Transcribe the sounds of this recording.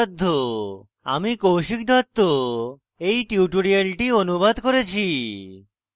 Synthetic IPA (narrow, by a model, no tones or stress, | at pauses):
d̪ʱːo | a̰mikowʃik̚d̪ʱɔt̪ːo | ejʈiuuʈoɽialʈionubad̪koɾet͡ɕʰi